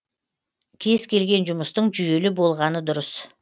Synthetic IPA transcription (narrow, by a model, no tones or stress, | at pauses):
kʲʰe̞z̥kʲe̞lɡʲe̞nʒʊməst̪əɴʒʏje̞lɪbo̞lˠʁɑnəd̪ʊɾəs